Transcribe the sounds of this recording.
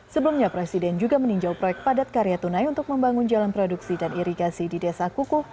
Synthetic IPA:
səbəlumɲapɾɛsidɛnd͡ʒuɡaməniɲd͡ʒawpɾojɛk̚t̪̚padat̪̚kaɾijat̪unajunt̪ʊk̚məmbaŋʊnd͡ʒalanpɾoduksidaniɾiɡasididɛsakukʊh

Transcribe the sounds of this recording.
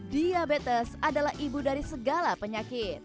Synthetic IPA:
diabet̪əsadalahʔibudaɾisəɡalapəɲakɪt̪̚

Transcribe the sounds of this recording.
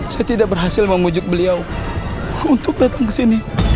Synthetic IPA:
sajat̪idaʔ̚bərɦasɪlməmud͡ʒʊk̚bəliaw | unt̪ʊk̚dat̪aŋkəsini

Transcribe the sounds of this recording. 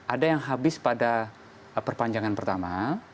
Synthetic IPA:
ʔadajaŋɦabɪspada | pərpaɲd͡ʒaŋanpərt̪ama

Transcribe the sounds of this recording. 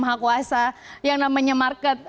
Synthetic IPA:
maɦakuasajaŋnamaɲamarkɛt̪̚

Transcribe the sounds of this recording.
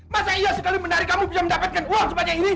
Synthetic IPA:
masaiasəkalimənaɾikamubisaməndapat̪̚kanpuaŋsupaɲaini

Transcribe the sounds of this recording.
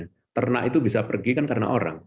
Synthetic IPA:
t̪ərnaʔit̪ubisapərɡikankaɾəna̰ʔoɾa̰ŋ

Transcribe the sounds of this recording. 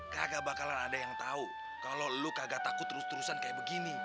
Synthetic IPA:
kaɡabakalanadajaŋt̪au | kalolukaɡat̪akʊt̪ːəɾʊst̪əɾusankajaʔbəɡini

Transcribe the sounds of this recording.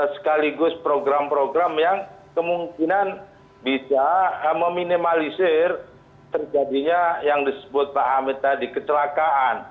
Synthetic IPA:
sə̥kaliɡʊspɾoɡɾampɾoɡɾamjaŋkəmuŋkinan | bisaməminimalisɪr | t̪ərd͡ʒadiɲajaŋdisə̥bʊt̪̚faɦamit̪adikət͡ʃəlakaʔan

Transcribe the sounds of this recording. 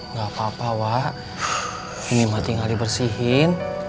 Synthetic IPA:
ŋɡapapawah | inimat̪iŋalibərsiɦɪn

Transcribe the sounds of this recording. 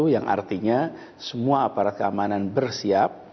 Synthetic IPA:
ujaŋʔa̰rt̪iɲa | səmuaapaɾat̪̚kəamananbərsiap̚

